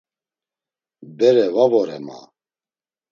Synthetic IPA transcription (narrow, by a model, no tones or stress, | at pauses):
bɛɾɛvavɔɾɛma̰